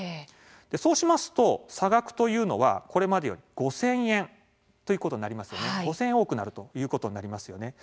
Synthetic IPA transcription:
d̪̥e̞so̞ːɕimasɨ̥t̪o̞saɡakɯ̟̥t̪o̞jɯ̟ːno̞̰βa̰ko̞ɾe̞mad̪e̞jo̞̰ɾʲiɡ̥o̞sẽ̞ɰ̃ẽ̞n | t̪o̞jiko̞t̪o̞ɲ̟naɾʲimasɨ̥jo̞neɡo̞sẽ̞ẽo̞ːkɯ̟naɾɯ̟t̪o̞jɯ̟ːko̞t̪o̞ɲ̟inaɾʲimasɨjo̞ne̞

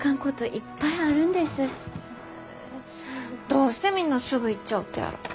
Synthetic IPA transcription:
kãŋkot̪oʔipːaiaɾɯ̟̃nd̪e̞sɨ | d̪̥o̞ːɕi̥t̪emʲĩnːasɨɡɯ̟it͡ɕːaɯt̪ːeja̰ɾɯ̰

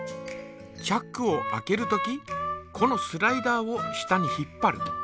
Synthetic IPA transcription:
t͡ɕakːɯo̞ʔa̰ke̞ɾɯ̟t̪o̞kʲikʰo̞no̞sɨɾaid̪aːo̞ɕi̥t̪aɲ̟içipːaɾɯ̟̰

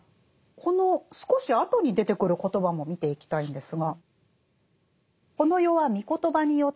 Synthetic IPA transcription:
kʰo̞no̞sɨ̥ko̞ɕiat̪o̞ɲ̟id̪e̞t̪e̞kɯ̟ɾɯ̟ko̞t̪o̞bamo̞mʲit̪e̞ikʲi̥t̪aĩnd̪e̞sɨɡa | ko̞no̞jo̞βamʲiko̞t̪o̞baɲ̟ijo̞

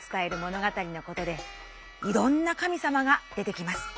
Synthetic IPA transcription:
t͡sɨ̥t̪ae̞ɾɯ̟mo̞no̞ɡat̪aɾʲino̞ko̞t̪o̞d̪e̞ | iɾõ̞nːakamʲisamaɡad̪̥e̞t̪e̞kʲimasɨ̥

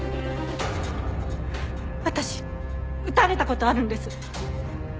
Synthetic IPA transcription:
βat̪aɕi | ɯ̟t̪aɾe̞t̪ako̞t̪o̞aɾɯ̟̃nd̪e̞sɨ

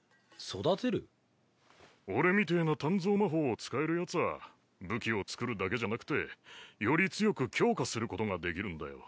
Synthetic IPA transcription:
so̞d̪at̪e̞ɾɯ̟ | o̞ɾe̞mʲit̪̬e̞ːnat̪ãnd͡zo̞ːmaɦo̞ːt͡sɨ̥kae̞ɾɯ̟jat͡sɨa̰ | bɯ̟kʲio̞t͡sɨ̥kɯ̟ɾɯ̟d̪ake̞ʑanakɯ̟̥t̪e̞jo̞ɾʲit͡sɨjo̞kɯ̟kʲo̞ːkasɨɾɯ̟ko̞t̪o̞ŋad̪e̞kʲiɾɯ̟̃nd̪a̰jo̞̰

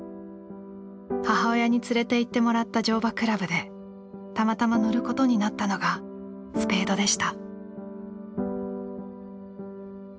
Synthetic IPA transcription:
haɦao̞jaɲ̟it͡sɨɾe̞t̪e̞it̪ːe̞mo̞ɾat̪ːad͡ʑo̞ːbakɯ̟ɾabɯ̟d̪e̞ | t̪amat̪amanoɾɯ̟ko̞t̪o̞ɲ̟inat̪ːano̞ɡa | sɨ̥pe̞ːd̪o̞d̪e̞ɕi̥t̪a

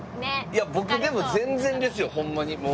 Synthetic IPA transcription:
jabo̞k̪ɯ̟d̪e̞mo̞zẽ̞nd͡zzẽ̞nd̪e̞sɨjo̞hõ̞mːaɲimo

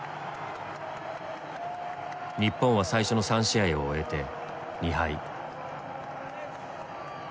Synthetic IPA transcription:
ɲ̟ipːõɰ̃βasaiɕo̞no̞sãɰ̃ɕiaioːe̞t̪e̞ | ɲ̟ihai

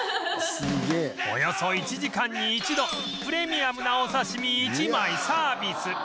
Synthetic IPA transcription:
sɨɡeːo̞̰jo̞so̞it͡ɕiʑikãɲ̟ːiːt͡ɕid̪o̞ | pɯ̟ɾe̞mʲiamɯ̟naosaɕimʲiːt͡ɕimaisaːbʲisɨ

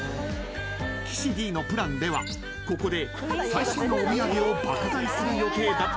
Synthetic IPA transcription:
kʲʰi̥ɕidʲiːno̞pɯ̟ɾãnd̪e̞βa̰ | ko̞ko̞d̪e̞ | saiɕonoomʲijaɡʲio̞bat̪azaisɨɾɯ̟jo̞ko̞ːd̪a

